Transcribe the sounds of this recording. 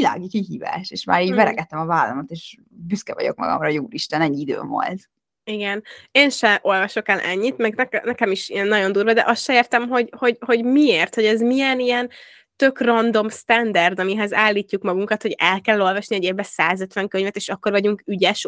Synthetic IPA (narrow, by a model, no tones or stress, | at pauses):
ila̰ːɡikiɦiːva̰ːʃeːʃma̰ːɾiːɟmɛɾɛɡɛt̪ːɛmɒvaːlːɒmot̪eːʃ | byskɛvɒ̰ɟo̞̰k̚mɒ̰ɡɒ̰mrɒjuːliʃt̪ɛnɛɲːiid̪ø̰ːvo̰lt̪ | iɡɛneːnʃɛʔo̞lvɒʃo̞kɛlʔɛ̰ɲːit̪mɛɡnɛkɛnɛkɛmiʃiɛnːɒɟo̞nd̪uːɾvʋɒd̪ɛ̰ʔɒst̪ʃɛeːrt̪ɛmɦo̞ɟho̞ɟho̞ɟmieːrt̪ho̞ɟɛzmijɛnijɛn | t̪ø̞krɒnd̪o̞mst̪ɛnd̪ɛrd̪ɒmiɦɛzaːlːiːcːukmɒɡuŋkɒt̪ho̞ɟɛlkɛlːo̞lvɒʃniɛɟeːbːɛsaːzøt̪ʋɛŋkøɲvɛt̪eːʃɒkːo̞rvɒɟuŋkyɟɛʃ